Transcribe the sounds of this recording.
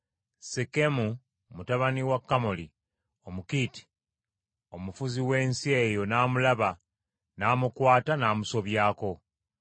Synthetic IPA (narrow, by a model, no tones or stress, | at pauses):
sekemu | mutaβaniwakːamoli | omukiti̥ | o̞mufuziwe̞ːnsie̞jo̞naːmulaβa | naːmukwaːtanaːmuso̞βjaːko̞